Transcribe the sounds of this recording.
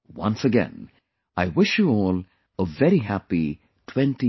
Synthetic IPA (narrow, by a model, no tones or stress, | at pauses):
wʌ̰̃nsɨɡɛ̰̃n | aɪwɪʃjɨɔlˠ | əvɛɾiɦæpi | tʰw̥ɛ̃nti